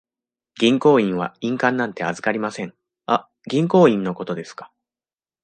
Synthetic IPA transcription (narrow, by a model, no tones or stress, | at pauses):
ɡʲĩŋko̞ːĩɰ̃βaĩŋkãnːãnt̪e̞azɨ̥kaɾʲimasẽ̞ŋ | a | ɡʲĩŋko̞ːĩnːo̞ko̞t̪o̞d̪e̞sɨ̥kḁ